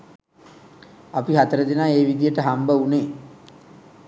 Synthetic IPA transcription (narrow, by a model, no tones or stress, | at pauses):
apiɦat̪əɾəd̪inaːeːʋid̪ijəʈəɦambəuneː